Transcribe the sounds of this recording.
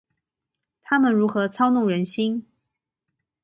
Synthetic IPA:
t̪ʰa˥mə˨nɻu˧˥xɤ˧˥t͡sʰɑ˥ʊnʊ˥˩ŋɻə˧˥nɕi˥n

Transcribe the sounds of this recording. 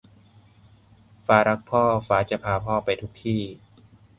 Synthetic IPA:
faː˨˦˥ɾa˦˥k̚pʰɔː˥˩faː˨˦˥t͡ɕa˧˩pʰaː˧pʰɔː˥˩pa˧jt̪ʰu˦˥k̚t̪ʰiː˥˩

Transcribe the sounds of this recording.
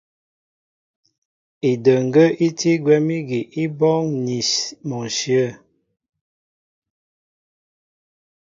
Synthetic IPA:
i˨də˨ŋ˨ɡə˦ʔi˦ti˦ɡwɛ˦mi˦ɡi˨ʔi˦bɔ˦ŋni˨smɔ˨ʃjə˦˨

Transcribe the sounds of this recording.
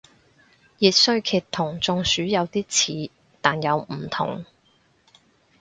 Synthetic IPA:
jiː˨t̚sɵ˧ɥkʰiː˨˩t̪ʰːʊ˨˩ŋt͡sʊ˨ŋsyː˨˥jɐ˨˧wt̪iː˥t͡sʰiː˨˧ | t̪aː˨njɐ˨˧wm̩˨˩t̪ʰʊ̰˨˩ŋ

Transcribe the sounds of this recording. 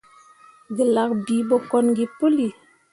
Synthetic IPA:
ɡə˨la˦kbi˨˦ɓɔ˦kɔ˦nɡi˦pu˦li˨

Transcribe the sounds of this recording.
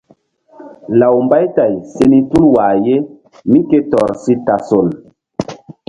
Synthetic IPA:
la˨wmba˦jta˨jse˦ni˦tu˦lwa˨je˦ | mĩ˦ke˦tɔ˨ɾsi˦ta˨so˨l

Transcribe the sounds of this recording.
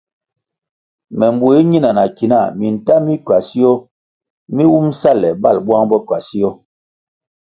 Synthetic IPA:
mɛ˨mbu˨i˦ɲi˦na˨na˨ki˨na˦˨mi˨n˨ta˦mi˦kɥa˨si˦ɔ˦ | mi˦wu˦msa˦lɛ˨ba˦˨lbwa˦ŋbɔ˦kɥa˨si˦ɔ˦

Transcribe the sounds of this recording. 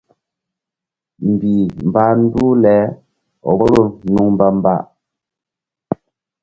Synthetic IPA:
m̩˨bi˨m̩˨ba˦n̩˦du˦lɛː˨˦ | ɔ̰˨bɔ˦ɾo˦˨nu˨ŋm˦ba˦m̩˦ba̰˦˨ʔ

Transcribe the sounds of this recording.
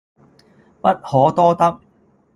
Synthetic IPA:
pɐ˦˥t̚hɔː˨˥t̪ɔː˥t̪ɐ˥k̚

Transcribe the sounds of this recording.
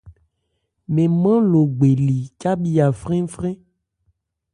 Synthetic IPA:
mẽ˨mã˦lo˨ɡ͡be˨li˨t͡ʃa˦bi˦a˨fɾẽ˦fɾẽ˦

